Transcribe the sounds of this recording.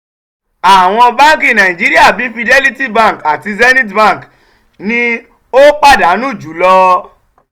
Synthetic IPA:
a˨w̃ɔ̃˧bã˦ki˦˨nã˨ĩ˨d͡ʒi˦ɾi˦a˦˨bi˨˦fi˧de˦li˦ti˦˨bã˦˨ŋ˨ka˨ti˧zɛ˦nĩ˦t̬bã˦˨k | nĩ˦ | o˦k͡pa˦˨da˨˦nũ˦˨d͡ʒu˨˦lɔ˧

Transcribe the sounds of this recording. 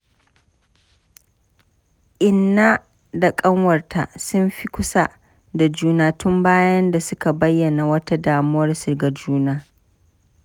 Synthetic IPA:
ʔɪ˨nːa˦ | da˨kʼɐ˦ŋwɐ˨rtʰa̰˨sʊ˦mɸi˦kʷʊ˦sa˦ʔ | da˨d͡ʒuː˦naː˦tʊ˦mbaː˦jɐ˦nda˨sʊ˦ka˨bɐ˦jːɐ˨na˨wɐ˦ta˦daː˨mʊ˦wɐ˦rsɪ˨rɡa˨d͡ʒuː˦naː˦

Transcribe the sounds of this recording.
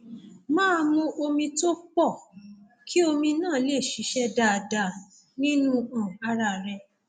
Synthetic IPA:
mãː˦˧mũ˧ʔo˧mĩ˧to˦k͡pɔ˦˨ | kʰi˦o˧mĩ˧nãː˦˨˦le˦˨ʃi˨˦ʃɛ˦da˧a˧˨da˧ | nĩ˦nũ˦ã˨a˧ɾa˧˨ɾɛ˧

